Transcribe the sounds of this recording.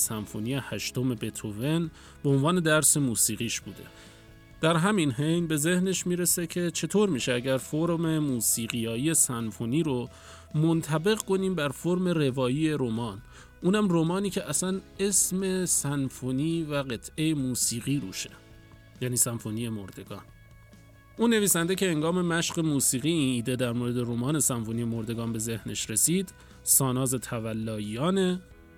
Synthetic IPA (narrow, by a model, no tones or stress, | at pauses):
sænfonijehæʃt̪o̞me̞be̞t̪ʰove̞n | beonvɒːne̞d̪æɾse̞muːsiːɣiːʃb̥uːd̪e̞̰ | d̪̥æɾɦæminɦe̞jnbe̞ze̞hne̞ʃmiːɾe̞se̞cʰe̞t͡ʃʰe̞t̪ʰoːɾmiːʃeæɟæɾfoɾmemuːsiːɣiːjɒːjije̞sænfoniːɾo | mo̞nt̪ʰæbe̞ɣkʰo̞niːmbæɾfoɾme̞ɾe̞vɒːjiːe̞ɾomɒːn | ʔuːnhæmromɒːniːcʰe̞ʔæsæne̞sme̞sænfoniːvæɢe̞t̪ʰe̞jemuːsiːɣiːɾṵːʃe̞̥ | jæːniːsænfonije̞moɾd̪e̞ɡ̥ɒ̰ːn | ʔuːnːe̞viːsænd̪ecʰe̞heŋɡɒːme̞mæʃɢe̞muːsiːɣiːiːniːd̪e̞d̪æɾmoːɾe̞d̪e̞ɾomɒːne̞sænfonijemoɾd̪e̞ɡɒːnbe̞ze̞hne̞ʃɾe̞siːd̪̥ | sɒːnɒːze̞t̪ʰævælːɒːjijɒːne̞